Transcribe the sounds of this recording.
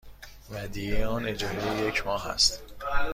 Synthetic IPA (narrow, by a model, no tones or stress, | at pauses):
væd̪ijejɒːne̞d͡ʒɒmejejecʰmɒːɦæ̰st̪